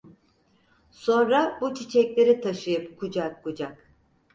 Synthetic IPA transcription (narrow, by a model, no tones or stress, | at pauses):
so̞nɾabut͡ʃʰit͡ʃʰɛclʲe̞ɾit̪ʰaʃɯjɯpkʰud͡ʒakːud͡ʒak